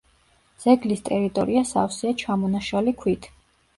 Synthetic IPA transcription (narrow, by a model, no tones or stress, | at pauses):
z̥ɛɡlist̪ʼɛɾit̪ʼɔ̰ɾiasa̰fsiat͡ʃʰamɔnaʃalikʰwit̪ʰ